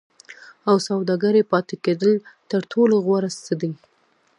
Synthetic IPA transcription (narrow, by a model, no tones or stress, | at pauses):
awsawd̪ɑɡaɾepɑt̪eked̪əlt̪əɾʈʰoloɣwaɾast͡səd̪i